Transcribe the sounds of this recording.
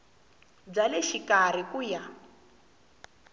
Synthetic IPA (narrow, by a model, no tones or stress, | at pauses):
b͡ʐalɛʃikar̤ikuja